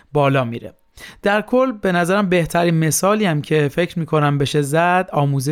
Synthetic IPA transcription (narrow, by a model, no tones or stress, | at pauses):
bɒːlɒːmḭːɾḛ | d̪̥æɾkʰolbe̞næzæɾæmbe̞ht̪ʰæɾiːnme̞sɒːliːæmcʰe̞fe̞cɾmiːkʰo̞næmbe̞ʃezæd̪̥ɒːmuːze